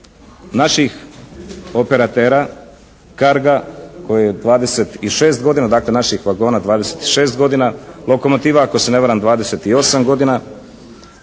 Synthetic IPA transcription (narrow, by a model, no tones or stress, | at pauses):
naʃix | o̞pe̞ɾat̪eːɾa | kaɾɡako̞jejed̪ʋaːd̪e̞set̪iʃe̞ːst̪̚ɡo̞d̪inad̪akle̞naʃixʋaɡo̞ːnad̪ʋaːd̪eset̪i̥ʃe̞ːst̪ɡo̞d̪inalˠo̞ko̞mo̞t̪iːʋako̞sene̞ʋaɾamd̪ʋaːd̪ese̞t̪io̞samɡo̞d̪ina